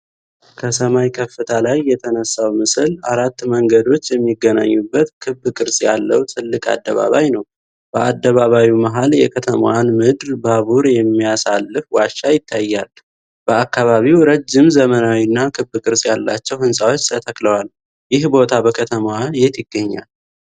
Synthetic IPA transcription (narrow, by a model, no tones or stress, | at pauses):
kʰəsəmajkʰəfːɨt̪ʰalajːɛt̪ʰənəsːawmɨsɨla̰ɾat̪ːməŋɡəd̪o̞t͡ʃːjɛmːiɡːəna̰ɲːubːət̪kʰɨbːɨkʼɨɾsʼja̰lːəwt̪ʼɨlːɨkʼa̰d̪ːəβa̰βajnəw | b̥əʔad̪ːəβaβawimaɦaljɛ̰kʰət̪ʰəmwanmɨd̪ɾbaβuɾjɛmːijasalːɨfwaʃːajɪt̪ʰːajːal | b̥əakːaβaβiwɾəd͡ʒːɪmzəmənawinːakʰɨbɨkʼɨɾsʼjalːa̰t͡ʃːɛwhɨnsʼawo̞t͡ʃːt̪ʰət̪ʰəkʼləwal | jɪhbo̞t̪ʰabəkʰət̪ʰəmwanjɛt̪jɪɡːəɲːa̰l